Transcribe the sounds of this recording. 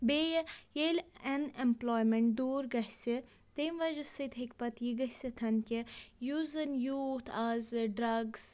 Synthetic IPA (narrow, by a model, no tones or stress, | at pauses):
beːjjelʲɐnemploːjmeɳʈ̚d̪uːɾɡɐhʲsi | t̪emʋɐʒɐsɨd̪ɦekpɐt̪jiɡɐɦsit̪ʰɐnkijuzɐnjut̪ʰaːzɖɾɐɡz